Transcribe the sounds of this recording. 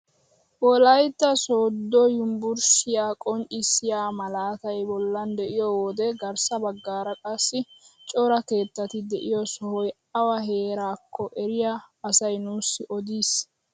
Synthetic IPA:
wɔlɐjt̪ːɐsoːd̪ːɔjʊmbʊɾsɪjaːkʼɔnt͡ʃʼɪsːɪjaːmɐlaːt̪ɐjbɔlːɐnd̪ɛʔɪjɔwɔd̪ɛɡɐɾsɐbɐɡːaːɾɐkʼɐsːɪt͡ʃʼɔɾɐke̞ːt̪ːɐt̪ɪd̪ɛʔɪjɔsɔhɔj | ɐwɐɦe̞ːɾaːkʰːɔʔɛɾɪjaɐsɐjnuːsːɪʔɔd̪iːs

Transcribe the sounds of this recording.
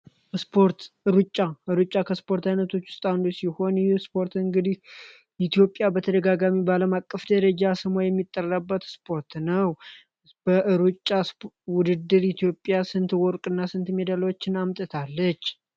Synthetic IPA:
spʰo̞ɾt̪ɨɾut͡ʃʼːaʔɨɾut͡ʃʼːakʰəspo̞ɾt̪ʰajnət̪ʰo̞t͡ʃːwʊ̥st̪ʼand̪usiho̞njuspʰo̞ɾt̪ɨŋɡɨd̪ih | it̪jo̞pʼːjabət̪ʰəd̪əɡaɡamibəaləmakʼːəfd̪əɾəd͡ʒasɨmojɛmːit̪ʼːərːəbːət̪spʰo̞ɾt̪nəw | b̥əʔɨɾut͡ʃʼːas | wʊd̪ɨd̪ːɨɾit̪ʰijo̞pʼjasɨnt̪wɔɾkʼɨnːasɨnt̪med̪alwot͡ʃːɪnamt̪ʼɨt̪ʰalːət͡ʃː

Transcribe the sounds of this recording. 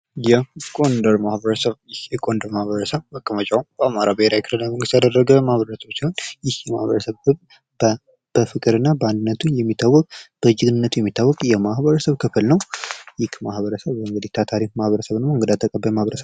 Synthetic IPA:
jɛkʼo̞nd̪əɾmahbəɾəsəβjɪhjɛkʼond̪əɾmahβəɾəsəβəkʼːəmət͡ʃʼamb̥əamaɾabəheɾakʰɨlɨnːaməŋɡɨst̪jad̪ərəɡəmahβəɾəsəβsiho̞njɪhjɛmahβəɾəsəβkʰɨβ | b | b̥əfɨkʼɨɾɨnːabəand̪ɨnːət̪ʰunjɛmːit̪ʰːawːɔkʼb̥əd͡ʒɨɡɨnɨnːət̪ʰujɛmːit̪ʰːawːɔkʼjɛmahβəɾəsəβkʰɨflnəwjɪkːmahβəɾəsəβɨŋɡɨd̪iht̪ʰat̪ʰaɾikmahβəɾəsəβnmoɨŋɡəd̪at̪ʰːəkʼəbːajmahβəɾəsəβ

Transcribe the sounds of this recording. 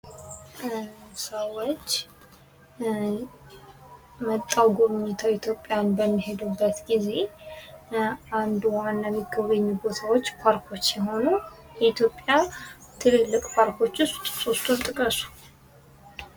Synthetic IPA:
səwot͡ʃː | mət̪ʼːawɡomiɲːet̪ʰawit̪ʰjo̞pʼːjanbəmːiɦe̞d̪ubːət̪ɡize̞ | and̪wanːamiɡəβəɲːubo̞t̪ʰawot͡ʃːpʰaɾkʰo̞t͡ʃːjɛɦo̞nu | jɛit̪jo̞pʼja | t̪ʰɨlɨlːɨkʼpʰaɾkʰo̞t͡ʃːʊst̪ʼso̞st̪ʰunt̪ʼɨkʼəsu̥

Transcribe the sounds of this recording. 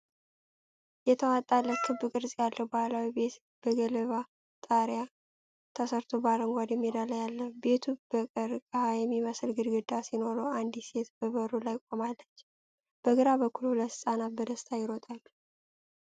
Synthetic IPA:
jɛt̪ʰəwat̪ʼalːəkʰɨbːɨkʼɨɾsʼjalːəwbəhʷalawibe̞t̪ | b̥əɡələβa | t̪ʼaɾja | t̪ʰəsəɾt̪ʰobaɾəŋɡʷad̪ɛmːid̪aləjalːəbe̞t̪ʰub̥əkʼəɾɨkʼəhajɛmːiməsɨlɡɨɾɡɨd̪asino̞ɾoand̪ise̞t̪b̥əβəɾulajkʼomalːət͡ʃː | b̥əɡɨɾabəkʰːulhuləsɨsʼanat̪̚bəd̪əst̪ʰajɪɾot̪ʼalː

